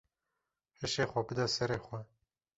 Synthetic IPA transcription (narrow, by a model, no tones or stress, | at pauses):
hɨʃeːxʷɛbɨd̪ɑsɛɾeːxʷɛ